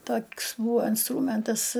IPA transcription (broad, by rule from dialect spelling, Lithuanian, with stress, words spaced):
ˈtoːkʲs ˈbuːʋoː ɪnˈstruːmʲɛntɐs